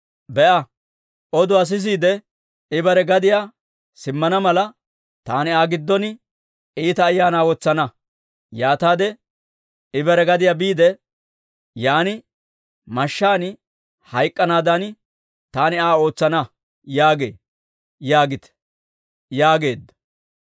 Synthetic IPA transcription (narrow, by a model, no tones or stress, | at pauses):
bɛʔɐ | ʔɔd̪ʊɐs̬ɪs̬iːd̪ɛ | ɪbɐɾɛɡɐd̪ɪjaː | sɪmːɐnɐmɐlɐ | t̪aːnɪaːɡɪd̪ːɔnɪ | iːt̪ɐːjːaːnaːwɔt͡sːɐnɐ | jaːt̪aːd̪ɛ | ɪbɐɾɛɡɐd̪ɪjaːbiːd̪ɛ | jaːnɪ | mɐʃːaːnɪ | hɐjkʼːɐnaːd̪ɐn | t̪aːnɪaːo̞ːt͡sːɐnɐ | jaːɡe̞̰ː | jaːɡɪt̪ | jaːɡe̞ːd̪ːɐ̥